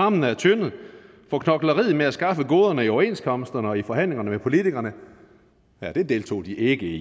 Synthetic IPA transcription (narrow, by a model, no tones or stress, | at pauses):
ɑ̈mn̩əæɐt͡sʰøn̩ | fɒ̽kʰnɒ̽ɡ̥lɐʁið̩meæsɡ̥ɑ̈fəɡ̥o̝ːð̞ˠɐnəiɒʊɐe̝̰ːnskʰɒ̽msd̥ɐnəɒ̽ifɒ̽ɦæn̰le̝ŋɐnəmepʰo̝lit͡sʰiɡ̥ɐnə | jæd̥e̝d̥e̝ːlt͡sʰo̝̰ːd̥iʔe̝ɡ̥əi